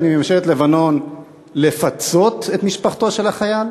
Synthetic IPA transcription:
nimamʃelet̪levano̞n | le̞fat͡so̞t̪et̪miʃpaχt̪o̞ʃe̞laχajal

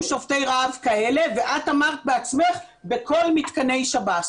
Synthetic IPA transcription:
ʃofte̞jʁaavkae̞le̞ve̞ʔat̪amaʁt̪̚beat͡sme̞χ | bekʰo̞lmit̪kane̞jʃaba

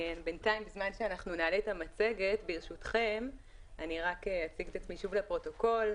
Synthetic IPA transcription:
enbentaimbizmanʃeanaχnunaːletamat͡se̞ɡe̞tbiʁʃutχe̞mʔaniʁakeat͡siɡt̪at͡smiʃuvlepʁo̞to̞ko̞l

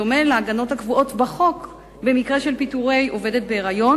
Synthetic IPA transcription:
ome̞laaɡano̞takvuʔo̞tbaχo̞k | be̞mikʁe̞ʃelpituʁejʔo̞ve̞de̞t̚beːʁajo̞

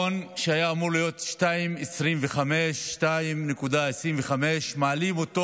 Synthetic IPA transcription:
onʃeajaːmuʁlijo̞t̪ʃtaimesʁimveχame̞ʃːtaimnekudaesʁimveχame̞ʃmaːlimoto

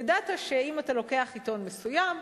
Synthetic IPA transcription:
dataʃeimatalo̞ke̞aχito̞nmesujam

